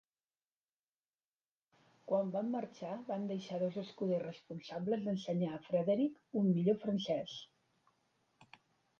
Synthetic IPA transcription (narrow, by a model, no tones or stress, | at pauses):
kwambamːəɾt͡ʃaβand̪əʃaðozəskuðerəspunsabləzðənsəɲaəfɾəðeɾikumːiʎofɾənsɛs